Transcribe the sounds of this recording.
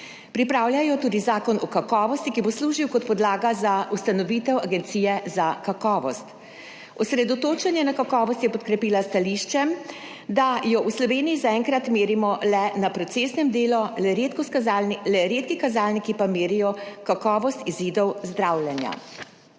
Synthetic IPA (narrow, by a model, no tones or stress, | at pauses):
pɾipɾaːwljajɔt̪uːd̪izaːkɔnɔkakɔːʋɔst̪ikibosluːʒiwkɔt̪̚pɔd̪laːɡazaust̪anɔʋit̪ɛwaɡɛnt̪siːjɛzakakɔːʋɔst̪ | ɔsɾɛd̪ɔt̪oːt͡ʃɛnjɛnakakɔːʋɔst̪jɛpɔt̪kɾɛpiːlast̪aliːʃt͡ʃɛ | d̪ajɔʔuslɔʋeːnijizaɛːŋkɾat̪meːɾimɔlɛnapɾɔt̪seːsnɛmd̪eːlɔlɛɾeːt̪kɔskazalnlɛɾeːt̪kikazaːlnikipameːɾijɔkakɔːʋɔst̪iziːd̪ɔwzd̪ɾawljɛnja̰